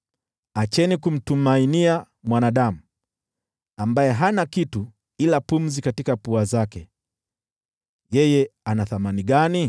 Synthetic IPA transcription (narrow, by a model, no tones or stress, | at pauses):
at͡ʃɛnikum̩tumainia | mwanaɗamu | ambajɛɦanakitu | ilapum̩zikatikapuazakɛ | jɛjɛanaθamaniɠani